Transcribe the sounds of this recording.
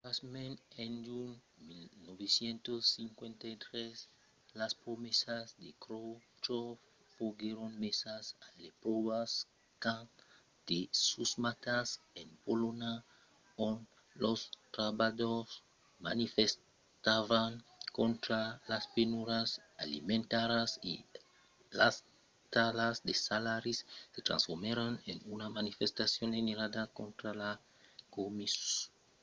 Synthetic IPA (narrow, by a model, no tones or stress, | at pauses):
asmẽnend͡ʒun | milnoβesjent̪osːiŋkwent̪ajt̪ɾes | laspɾomesazd̪ekɾo | t͡ʃo | foɡeɾonmesasalepɾoβas | ka | d̪̥esusmat̪asenpolona | on | lost̪ɾaβados | ma̰nifes | t̪aβaŋkont̪ɾalaspenuɾasa̰lḭmẽnt̪aɾasḭ | las | t̪alazd̪esalaɾisːet̪ɾã̰nsfoɾmeɾanenunamanifest̪asjoneneɾadakont̪ɾala | komis